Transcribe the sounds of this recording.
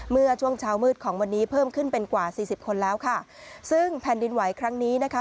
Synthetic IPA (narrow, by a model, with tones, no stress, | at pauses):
mɯ˥˩ɐt͡ɕʰu˥˩əŋt͡ɕʰaː˦˥wmɯː˥˩t̪̚kʰɔː˩˦ŋwa˧nːiː˦˥pʰɤː˥˩mkʰɯ˥˩npe˧nkwaː˨˩siː˨˩si˨˩p̚kʰo˧nlɛː˦˥wkʰa˥˩ | sɯ˥˩ŋpʰɛ˨˩ndi˧nwa˩˦jkʰɾa˦˥ŋniː˦˥na˦˥kʰa˦˥